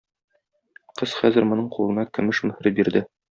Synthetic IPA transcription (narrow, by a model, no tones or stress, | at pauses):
qɤzχæzɘ̆ɾmŏnɤɴqulˠɤ̆nɑkɵ̆mɘʃmɵ̆hɾɘbiɾd̪ɘ